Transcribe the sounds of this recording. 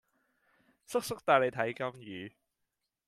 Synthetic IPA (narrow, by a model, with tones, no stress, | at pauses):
sʊ˥k̚sʊ˥k̚t̪aː˨le˨˧jt̪ʰɐ˨˥jkɐ˥mjyː˨˧